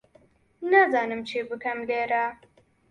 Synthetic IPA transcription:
nazɑːnɨmt͡ʃebɨkɐmleɾa

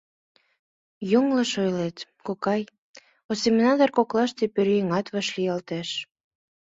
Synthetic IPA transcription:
joŋlə̆ʃojlet̪kokɑj | osemnɑd̪ɑrkoklɑʃt̪epøɾeŋɑt̪βɑʃliɑlt̪eʃ

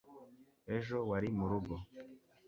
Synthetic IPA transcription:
ɛʒɔwaɾimuɾuɡɔ

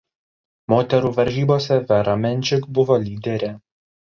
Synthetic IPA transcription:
moːt̪ʲɛɾuːʋɐɾʲʒʲiːboːsʲɛʋʲɛɾɐmʲɛnʲˑt͡ʃʲɪkbʊʋoːlʲiːd̪ʲɛɾʲeː

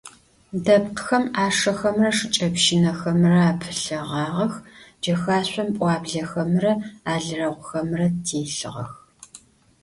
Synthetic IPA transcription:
dɐp̚qxɐmaːʂɐxɐmrɐʂɨt͡ʃʼɐpʃɪnɐxɐmrɐaːpʰɨɬɐʁɑːʁɐxd͡ʒɐxaːɕʷʼɐmpʷʼɑːbɮɐxɐmrɐaːɮɨrɐʁʷʊxɐmrɐtʰeːɬɨ̰ʁɐ̰x

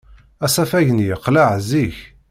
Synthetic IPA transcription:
æsæfæʝənjəqlaʕziç

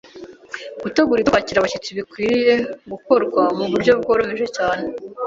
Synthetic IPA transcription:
ɡ̥uteɡuɾikwaciɾaβacet͡siβikwijeɡuko̞ɾɡwamuβuɾɟo̞b̚ɡo̞ːɾomeʒecaːne

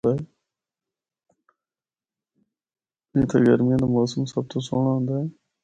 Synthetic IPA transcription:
a | ẽːt̪ʰḛɡəɾmijãːd̪aːmoːsəmsəb̚t̪ʰoːso̰ːɳaːɦʊ̃nd̪aːɛː

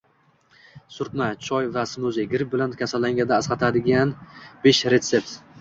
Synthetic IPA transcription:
sʊɾt̪mat͡ʃʰɒjvasɪmʊzɪɡʲɪɾɪp̚bɪlankʲʰasalːaŋɡʲad̪aːsqɑt̪ʰad̪ɪɡʲanb̥eʃɾe̞t̪se̞p̚t̪

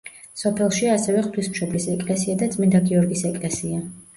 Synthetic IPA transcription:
sɔpʰɛlˠʃiasɛvɛχt̪ʰwismʃɔblisɛkʼlɛsiad̪at̪sʼmind̪aɡiɔɾɡisɛkʼlɛsia

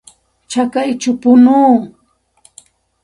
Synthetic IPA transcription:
t͡ʃakajt͡ʃʊpʊnuː

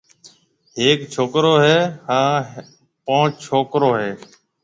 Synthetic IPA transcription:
heːkt͡ʃʰoːkɾoːɦeːhãː | põːt͡ʃʰoːkɾoːɦeː

